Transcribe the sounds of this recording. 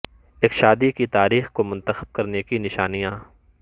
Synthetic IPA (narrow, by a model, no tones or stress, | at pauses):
eːkʃaːd̪ikit̪aːɾiːxkomʊ̃nt̪əxəb̚kɐɾnekinɪʃaːnijãː